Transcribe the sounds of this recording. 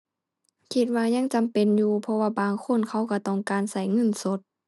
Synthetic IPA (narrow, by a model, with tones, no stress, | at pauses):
kʰi˧t̪̚waː˧ɲa˧˥˨ŋt͡ɕa˨mpe˨njuː˧pʰɔ˧waː˧baː˨ŋkʰo˧˥˨nkʰa˧˩wka˧˩t̪ɔː˧˩˨ŋkaː˨nsa˧˩jŋɤ˧˥˨nso˧˦t̪̚